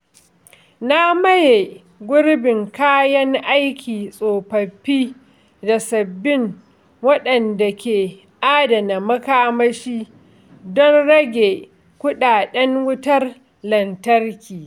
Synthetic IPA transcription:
na˦mɐ˦je˨ | ɡʷʊ˦ɽbɪ˨ŋkaː˦jɐ˦ŋʔa˦jkʲʰiː˨sʼoː˨ɸɐ˨ɸːiː˦ | da˨sɐ˨bːɪ˦ŋ | wɐ˦ɗɐ˨nda˨kʲeː˨ | ʔaː˦dɐ˨na˨mɐ˦kaː˦mɐ˦ʃiː˦ | dɔ˦nɽɐ˦ɡʲe˨ | kʷʊ˦ɗaː˨ɗɛ˦ŋwʊ˦tɐ˦r | lɐ˨ntɐ˦rkʲiː˨

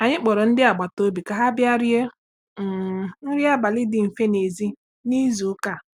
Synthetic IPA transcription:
a˨ɲɪ˦k͡pɔ˨ɾɔ˨n̩˦dɪ˦a˨ɡ͡ba˨to˦bi˨ka˨ɦa˦bja˦ɾje˦˨ | n̩˦ɾɪ˦a˦ba˨lɪ˦dɪ˨m̩˨fe˦ne˨zi˦ | ni˦zu˨˦ka˨

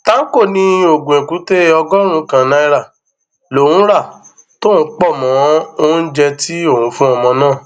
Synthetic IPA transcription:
tã˦ko˦˨nĩ˧o˨ɡũ˨ẽ˨ku˨˦te˦ɔ˧ɡɔ˦ɾ̃ũ˦kã˨nã˧˦i˧ɾa˦˨ | lo˨wũ˦ɾa˦˨ | to˦ñ̩˨˦k͡pɔ˦˨mɔ̃˨˦õ˦d͡ʒɛ˧ti˦o˦˨hũ˨˧˦fũ˦ɔ˧mɔ̃˧nãː˦˨

